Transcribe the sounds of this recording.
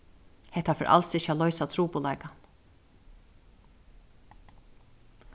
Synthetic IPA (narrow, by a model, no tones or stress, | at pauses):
hɛht̪afɛɾʔa̰lsɪçalɔʏsat̪ʰɾuːpʊlaɪka